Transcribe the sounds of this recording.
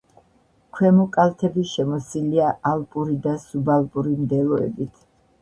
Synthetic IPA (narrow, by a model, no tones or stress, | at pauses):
kʰwɛmɔkʼalt̪ʰɛbiʃɛmɔsiliaʔalpʼuɾid̪asubalˠpʼuɾimd̪ɛlˠɔɛ̰bit̪ʰ